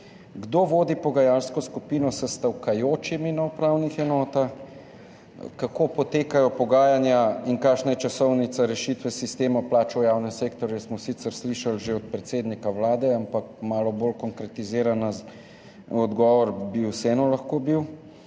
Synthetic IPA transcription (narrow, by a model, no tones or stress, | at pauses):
ɡd̪oʋoːd̪ipɔɡajaːlskɔskupiːnɔsɐst̪awkajoːt͡ʃiminaupɾawnixɛnɔːt̪ax | kakoːpɔt̪eːkajɔpɔɡaːjanjaiŋkaːʃnajɛt͡ʃasɔwnit̪saɾɛʃit̪ʋɛsist̪eːmaplaːt͡ʃɔjawnɛmseːkt̪ɔɾjɛsmɔsit̪səɾsliʃalʒeɔt̪̚pɾɛt̪seːd̪nikawlaːd̪ɛampakmaːlɔbolkɔŋkɾɛt̪izeːɾanaz | ɔd̪ɡɔːʋɔɾbiwsɛːnɔlaxkobiw